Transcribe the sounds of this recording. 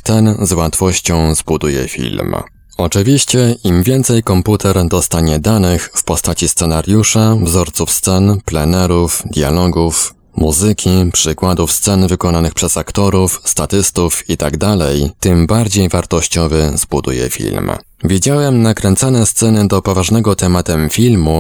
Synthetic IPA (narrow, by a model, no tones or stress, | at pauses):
t̪ɛnzwat̪fɔɕt͡ɕɔ̃w̃zbud̪ujɛ̰fʲḭlm | ɔt͡ʂɘvʲiɕt͡ɕɛʔimvʲjɛnt̪sɛjkɔmput̪ʰɛɾd̪ɔst̪aɲɛd̪anɘxfpɔst̪at͡ɕist̪sɛnaɾjuʂavzɔɾt̪sufst̪sɛnplɛnɛɾufd̪ʲja̰lɔɡuf | muzɘkʲʰipʂɘkwad̪ufst̪sɛnvɘkɔnanɘxpʂɛzakt̪ɔɾufst̪at̪ɘst̪ufit̪aɡd̪alɛjt̪ɘmbaɾd͡ʑejvaɾt̪ɔɕt͡ɕɔvɘzbud̪ṵjɛ̰fʲḭlm | vʲjed͡ʑawɛmnakɾɛnt̪sanɛst̪sɛnɘd̪ɔpɔvaʐnɛɡɔt̪ɛmat̪ɛmfʲilmu